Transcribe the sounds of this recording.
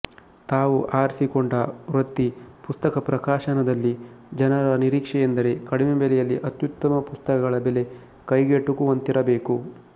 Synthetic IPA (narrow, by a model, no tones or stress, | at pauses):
t̪aːʋuʔaːɾsikoɳɖɐɾɐt̪ːipust̪ɐkɐpɾɐkaːʃɐnɐd̪ɐlːid͡ʒɐnɐɾɐniɾiːkʂɛjend̪ɐɾe̞kɐɽimebɛlɛjɐlːiʔɐt̪jut̪ːɐmɐpust̪ɐkɐɡɐɭɐbele̞ | kɐjɡeʈukuʋɐnt̪iɾɐbeːku